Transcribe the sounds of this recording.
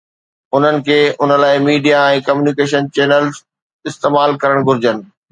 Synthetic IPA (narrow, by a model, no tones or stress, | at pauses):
ʊn̤ənɪ̆kʰeːʔʊnə̆laːɪmiːɖijaɛ̃ːkɐmjuːnikeːʃənt͡ɕeːnəlz | ɪst̪eːmaːlkɐɾəɽ̃ɡʱʊɾɪd͡ʑənɪ̆